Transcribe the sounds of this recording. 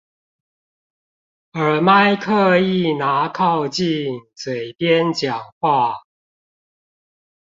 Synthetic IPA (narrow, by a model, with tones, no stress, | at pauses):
ə˨˩ma˥ɪkʰɤ˥˧i˥˩˨na˧˥kʰɑ˥˧ʊt͡ɕi˥˨ŋswe˨˩ɪpjɛ˦nt͡ɕjɑ˨˩ŋxwa˥˩